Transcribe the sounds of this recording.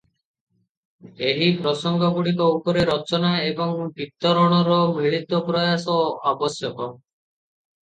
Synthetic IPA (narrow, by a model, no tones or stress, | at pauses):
eɦipɾɔsɔŋɡɔɡuɽikɔupɔɾeɾɔt͡ʃɔnaebɔŋbit̪ɔɾɔɽ̃ɔɾɔmiɭit̪ɔpɾɔjasɔabɔsjɔkɔ